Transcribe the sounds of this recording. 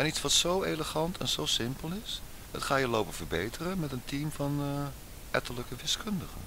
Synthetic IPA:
ɛnitsʋɑtsowejləχɑntʰɛ̰nz̥owsɪmpəlˠɪs | ə̰tχaːjəlowpəv̥ərbejtərəmɛtəntimfɑn | ʔɛtələkəʋɪskɵndəχə̰n

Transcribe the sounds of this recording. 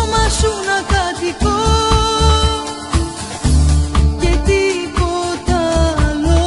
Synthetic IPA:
masunakat̪iko | ket̪ipot̪alo

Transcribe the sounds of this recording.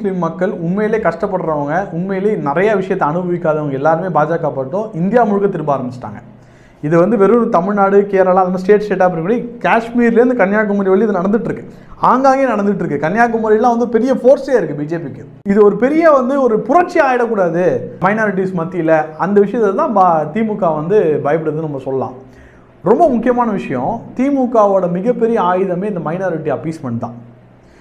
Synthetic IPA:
mʊslimːɐkːɐɭʊnmɐjɪleːkɐʂʈɐpːɐɽɾɐʋaːŋɡɐʊnmɐjɪleːnɪɾɐjaʋɪʂɐjɐt̪ːɐɐnɯbɐʋɪkːaːðɐʋɐŋɡɐɛlːaːɾɯmeːbaːd͡ʒaːkaːpaːʈʈːõɪnd̪ɪjaːmʊɻʊkːɐt̪ɪɾɯmbaːɾɐmbɪt͡ʃːɯ̥ʈːa̰ːŋɡɐ | ɪðɯʋɐnd̪ɯʋɛɾɯnt̪ɐmɪɻnaːɽɯkeːɾaːlãːɐðɐnːɐsʈeːʈsʈeːʈːaːp̬ːɐɽɪnkːpːɐɽikaːʂmiːɾlːɾɯnd̪ɯkɐnjaːk̬ːɐmʊːiʋɐɭːiɐðnɐɽɐnd̪ɯʈːɾɯkːɯ | aːŋɡaːŋɣeːnɐɽɐnd̪ɪʈːɾɯkːɯkɐnjaːk̬ːɐmʊːɾɪlːãːʋɐnd̪ɯɔɾɯpɛɾɪjɐfoːɾseːɪɾɯkːɯbiːd͡ʒeːpikːɯ | ɪðɯɔɾɯpɛɾɪjɐʋɐnd̪ɯɔɾɯpʊɾɐʈ̚t͡ʃːiaːjɪɽɐkːuːɽaːðɯmɐɪnaːɾɪʈ̬ːismɐt̪ːɪjɪlːɐɐnd̪ɐʋɪʂɐɪjɐt̪ːt̪ãːat̪iːmukːaːʋɐnd̪ɯbɐjɐpɪɽɐðɯnɐmːɐsɔlːɐlã̰ː | ɾɔmbɐmʊkːɪjɐmaːnɐʋɪʂɐjɔ̰̃t̪iːmukːaːʋoːɽɐmɪɣɐpːɛɾɪjɐaːjɪðɐmeːɪnd̪ɐmɐɪnaːɾɪʈːiɐpiːsmɐɳt̪ːã̰ː

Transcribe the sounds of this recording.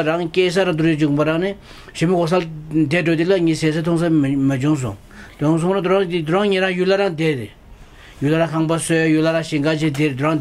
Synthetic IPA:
ɾaŋkeːs̬aɾaŋt̪ujid͡ʑuʔpaɾaŋne | ɕimikos̬ad̪eʈ͡ʂod̪ilaɲiːseːsat̪ʰoŋs̬aməd͡ʑuŋs̬o̰ŋ | d̪ŋs̬oŋɾad̪uɾad̪id̪uɾaŋɲiːɾaŋjulaɾaŋd̪ede | julaɾaŋkʰaŋpasøjulaɾaŋɕiŋɡat͡ɕid̪ed̪ua

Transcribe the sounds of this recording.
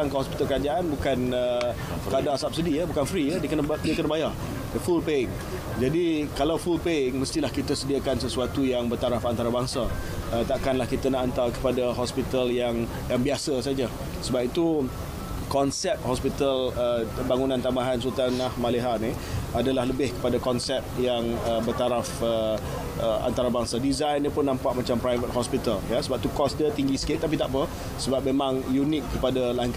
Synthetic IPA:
aŋkəɦɔspi̥t̪alkəɾad͡ʒaʔanbukanə | adasap̚sidijəbukanfɾijdiəkənədiəkənabajar | dəfulpeɪŋ | d͡ʒadikalawfulpeɪŋməst̪ilahkit̪asədiakansəsuat̪ujaŋbərt̪aɾafant̪aɾabaŋsa | ət̪aʔkanlahkit̪anaʔant̪arkə̥padaɦɔspit̪aljaŋ | jaŋbiasəsad͡ʒə | səbap̚it̪u | kɔnsɛp̚hɔspit̪ələbaŋunãnt̪ambaɦansut̪anahmaleɦani | adalahləbɪhkə̥padakɔnsɛp̚jaŋəbərt̪aɾafə | əa̰nt̪aɾabaŋsadizajndiəpʊnːãmpaʔmat͡ʃampɾajvət̪̚hɔspit̪əljasəbap̚t̪ukɔsdət̪iŋɡisə̥kɪʔ̚t̪apit̪aʔpə | səbap̚memãŋjunɪkːəpadalaŋk

